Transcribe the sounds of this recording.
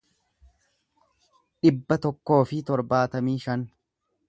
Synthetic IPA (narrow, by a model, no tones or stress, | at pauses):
ᶑɪbːɐt̪ɔkːo̞ːfɪt̪ɔɾbaːt̪ɐmiːʃɐn